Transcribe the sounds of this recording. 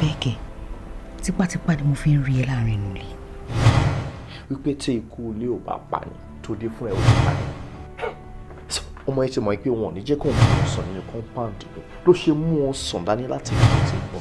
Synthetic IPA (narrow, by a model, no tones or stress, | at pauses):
bɛkɛ | tik͡patik͡padimofiɾiɛlaɾ̃ĩnũli | wik͡petʰeikuleoba̰k͡pa̰nĩtodefũɛolik͡pa̰nḭ̃ | so̥ | ɔmɔ̃jĩtimɔ̃ĩk͡peow̃ɔ̃nĩd͡ʒɛkõãɔ̃sɔ̃nĩũkɔ̃k͡pãn̩tokũloʃemũɔ̃sɔ̃danĩlatiiĩtekɔ